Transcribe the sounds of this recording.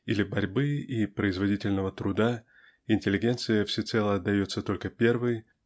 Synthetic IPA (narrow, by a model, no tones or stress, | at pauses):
ilʲɪbɐɾʲbɨipɾəɪzvɐdʲitʲɪlʲnəvət̪ɾʊd̪a | ɪnʲtʲɪlʲːɪɡʲe̞nt̪sɨjəfsʲɪt̪sɛlˠəɐt̪̚ːɐjo̞t̪sət̪o̞lʲkəpʲe̞rvɨj